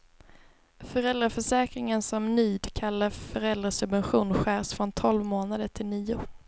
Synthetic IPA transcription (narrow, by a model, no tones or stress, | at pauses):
fœɾɛld̪ɾafœʂɛːkɾɪŋənsɔmnyːd̪kʰalːaɾfœɾɛld̪ɾasɵbvɛnɧuːnɧæːɾsfɾɔnt̪ʰɔlvmoːnad̪əʈʰɪlniːʊ